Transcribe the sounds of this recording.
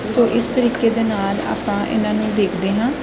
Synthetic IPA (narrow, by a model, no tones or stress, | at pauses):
soːʔɪst̪əɾiːkeːd̪eːnaːla̰ːpãːʔɪ̰nãːnũːd̪eːkʰd̪eːɦãː